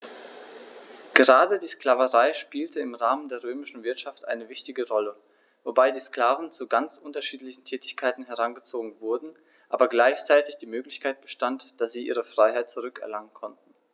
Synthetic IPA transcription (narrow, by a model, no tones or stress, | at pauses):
ɡ̥əʁaːdədiːskl̥aːvəʁaɪʃpiːltəɪmʁaːməndeːɐʁøːmɪʃn̩vɪɐtʃaftʔa̰ɪnəvɪçtɪɡəʁɔlə | vobaɪdiːsklaːvn̩t͡suɡant͡sʔʊntɐʃiːtlɪçn̩tʰɛːtɪçkʰaɪtn̩ɦɛʁanɡət͡soːɡŋ̩vʊɐdn̩ | ʔaːbɐɡlaɪçt͡saɪtɪçd̥iːmøːklɪçkʰaɪt̚b̥əʃtantd̥asz̥iːʔiːʁ̞əfʁ̥aɪɦaɪt̚t͡suʁʏkɛ̰ɐlaŋənkʰɔnt̚n̩